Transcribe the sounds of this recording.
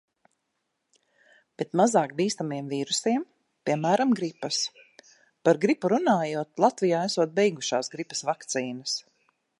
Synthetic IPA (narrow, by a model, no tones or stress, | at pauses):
b̥ɛt̪mazaːk̚biːst̪amiɛmviːɾusiɛm | pʲiɛmæːɾamɡɾipɐs | paɾɡɾipuɾunaːjuɔt̪̚lˠat̪vijaːɛsuɔt̪̚bɛjɡuʃaːsɡɾipɐ̥svakt̪siːnɐs